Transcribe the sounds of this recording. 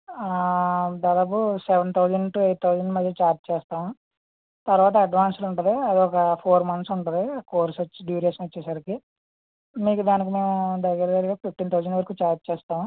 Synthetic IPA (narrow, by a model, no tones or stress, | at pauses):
d̪aːd̪aːp̬usɛʋɐnt̪ʰɐwd͡ʒɐɳɖʈuejʈ̪̚t̪ʰɐwd͡ʒɐɳɖmɐd̪ʱjɐt͡ʃaːɾt͡ʃt͡ʃɛːst̪aːmu | t̪ɐɾuʋaːt̪̬ɐːɖʋaːnsluɳʈund̪iɐd̪iɔkɐpʰoːɾmɐnt̪suɳʈund̪ikoːɾsɐt͡ʃːiɖjuːɾiesɐnʋɐt͡ʃːɛːsaːɾiki | miːkud̪aːnik̬ime̞ːmud̪ɐɡːɐɾɐd̪ɐɾiɡaːpipʈiːnt̪ʰɐwd͡ʒɐɳɖʋɐɾɐkuːt͡ʃaːɾt͡ʃt͡ʃɛːst̪aːmu